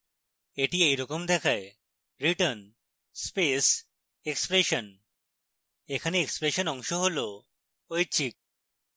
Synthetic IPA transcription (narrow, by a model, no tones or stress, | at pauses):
eʈiejɾɔkomd̪ɛkʰae | ɾiʈən | spes | ekspɾeʃon | ekʰaneekspɾeʃonɔŋʃoɦolo | ojt͡ɕʰik̚